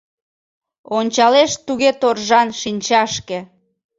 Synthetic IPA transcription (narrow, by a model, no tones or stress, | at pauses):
onʲt͡ɕɑleʃt̪uɣet̪orʒɑnʃinʲt͡ɕɑʃkĕ